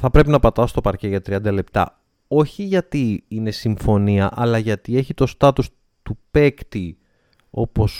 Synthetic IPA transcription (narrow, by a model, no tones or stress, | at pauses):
θɐpɾe̞pinɐpɐt̪ɐst̪o̞pɐɾce̞ʝɐt̪ɾiɐnd̪ɐle̞p̚t̪ɐ̰ | o̞çiʝɐt̪iine̞siɱfo̞niɐʔɐlɐʝɐt̪ie̞çit̪o̞st̪ɐt̪us | t̪upe̞kt̪i | o̞po̞s